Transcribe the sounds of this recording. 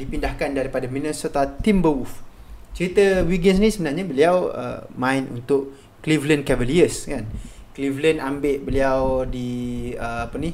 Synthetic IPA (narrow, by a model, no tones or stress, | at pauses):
dipindahkandaɾipadaminəsot̪at̪imbəwuft͡ʃəɾit̪əwiɡənsnĩsəbənarɲabəliawə̰mãinṵnt̪ʊʔ | klivlənkɛvəliəskanklivlənambɪʔbəliawdiəapəni